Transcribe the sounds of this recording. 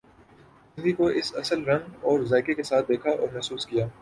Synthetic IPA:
ɪ̃nd̪ikoʔɪsɐsəlɾɐ̃ŋɡɔːɾzaːɪkekesaːt̪̚d̪eːkʰaʔɔ̰ːɾmɛɦsuːskijaː

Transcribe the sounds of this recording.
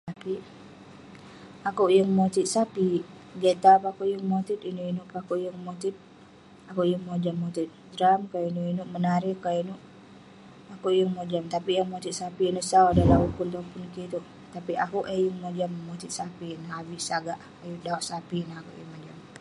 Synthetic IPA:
t̪api | akuʔjəŋmot̪it̪̚sapi | ɡɛt̪apakuʔjuŋmot̪it̪inuʔinuʔpakuʔjəŋmot̪it̪̚ | akuʔjəŋmod͡ʒamːot̪it̪̚d̪ɾamkainuʔinuʔmənaɾihkainuʔ | akuʔjəŋmod͡ʒamt̪apiʔjaŋmot̪it̪̚sapiinuʔsadalaukunt̪ɔpunkit̪uʔ | t̪apiʔakuʔejuŋmod͡ʒamːot̪it̪̚sapinaɦabiʔsaɡaʔ | ajudaoʔsapinahakṵʔjuŋmod͡ʒam

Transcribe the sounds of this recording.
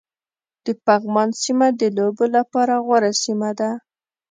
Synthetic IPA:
d̪̥əpaɣmɑnsimad̪əlobolapɑɾaɣwaɾasimad̪a

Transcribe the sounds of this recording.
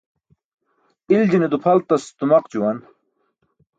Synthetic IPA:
ild͡ʑined̪upʰɐlt̪ɐst̪umɐqt͡ɕuwɐn

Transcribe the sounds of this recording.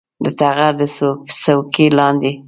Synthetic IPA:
d̪ət̪aɣaɾd̪əssawkelɑnd̪e

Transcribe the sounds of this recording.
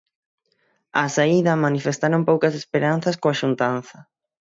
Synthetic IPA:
ɐsaiðɐmanifest̪aɾompowkɐsespeɾan̟θɐskoɐʃunt̪anθɐ

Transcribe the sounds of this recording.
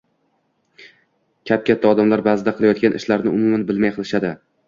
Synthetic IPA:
kʲʰap̚kʲat̪ːaɒd̪amlaɾbaːzɪd̪aqʰɨlˠajɒt̪̚kʲanɪ̰ʃlaɾnɪʊmʊmanbɪlmajqʰɨlˠɪʃad̪ɪ

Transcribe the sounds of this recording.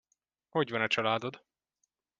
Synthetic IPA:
ho̞ɟvɒnɒt͡ʃɒlaːd̪o̞d̪

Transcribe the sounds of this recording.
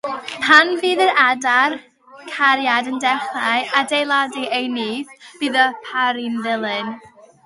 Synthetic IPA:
pʰanviːðəɾadar | kʰaɾjadəndɛχaɨʔadejlˠadiʔejniːθb̥ɨːðəpʰaɾinðɪlˠɨn

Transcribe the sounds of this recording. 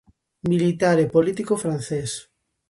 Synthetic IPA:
milit̪aɾepolit̪ikofɾanθes

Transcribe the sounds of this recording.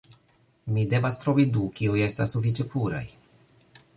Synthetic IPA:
mide̞vastɾo̞vidukiuje̞stasːufit͡ʃepuɾa̰j

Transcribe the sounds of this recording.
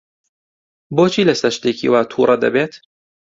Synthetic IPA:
boːt͡ʃʰiːlɐsɐɾʃt̪eːkḭwaːt̪ʰṵɾˤʔɐd̪ɐ̰beːt̪

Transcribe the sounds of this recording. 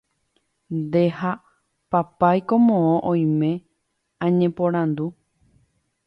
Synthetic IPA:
nd̪e̞ha | papajkomõõʔõj̃mẽ̞ | ãɲẽpõɾ̃ãnd̪u

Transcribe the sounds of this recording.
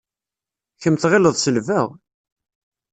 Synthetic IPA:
çəmθʁɪləðˤsəlvæʁ

